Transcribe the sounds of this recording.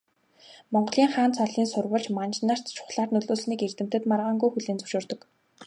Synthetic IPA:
mɔɴɢɞ̆ɮiːŋχaːnt͡sʰɔɮiːnsʊrwə̆ɮt͡ɕmant͡ɕnar̥t̪t͡ɕʰʊ̥χɮaːrnɵɮoːsniːkert̪ɘ̆m̥t̪ɘ̆t̪marʁaːŋɡujxuɮeːnt͡sɵ̥wʃʊːrt̪ɞ̆k

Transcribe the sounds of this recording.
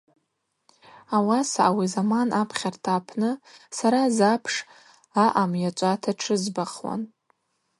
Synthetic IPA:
awasaʔawizamanapʰχʲartʰaːpʰnɨsaɾazapʰʂ | aʔamjat͡ʃʷʼatʰaʈ͡ʂʰɨzbaχwa̰n

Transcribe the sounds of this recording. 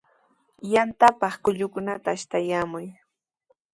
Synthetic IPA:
jant̪apɑχkʊʎʊkʊnat̪aːʃt̪ajaːmʊj

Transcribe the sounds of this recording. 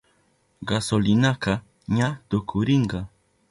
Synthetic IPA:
ɢasolɪnaqɑ | ɲat̪ʊkʰʊɾɪɴɢɑ

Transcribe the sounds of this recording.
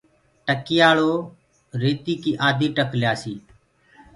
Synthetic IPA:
ʈəkɪjaːɭoː | ɾeːt̪iːkiːʔaːd̪ʱiːʈəkljaːsiː

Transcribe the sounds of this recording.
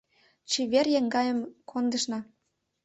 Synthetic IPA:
t͡ɕiβerjeŋɡɑjə̆mkʰond̪ə̆ʃnɑ

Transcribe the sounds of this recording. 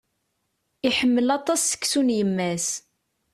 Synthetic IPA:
iħəmːəlɑt̪ˤɑsːə̥kːsunjəmːæs

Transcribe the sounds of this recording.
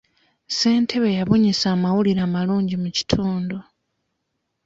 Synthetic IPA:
se̞ːntʰe̞βe̞jaβuɲisaːmawuliɾaːmaluːɲɟimuci̥tʰuːndo

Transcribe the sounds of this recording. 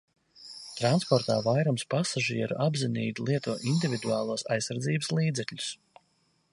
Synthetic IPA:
t̪ɾanspɔɾt̪a̰ːvajɾɔmspasaʒiɛɾṵʔabzinḭːd̪lˠiɛt̪uɔʔind̪ʲivʲid̪uɑːlˠuɔsa̰jsːaɾd̪ziːbəslˠiːd̪zɛkʎʲus

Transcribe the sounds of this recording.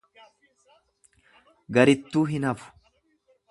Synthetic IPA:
ɡɐɾɪt̪ːuːɦɪnɐfʊ̥

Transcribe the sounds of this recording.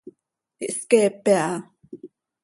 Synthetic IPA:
iʔskeːpea

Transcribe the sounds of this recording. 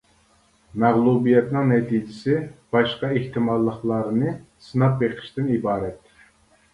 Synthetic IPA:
mæʁlˠubijɛt̪nɨŋnɛt̪ʰid͡ʒɪsɪb̥ɑʃqɑeht̪ɨmɑlˠːəχlˠɑɾnɨ | sɨnɑp̚beqʰɪ̥ʃt̪ɪnibɑːɾɛt̪

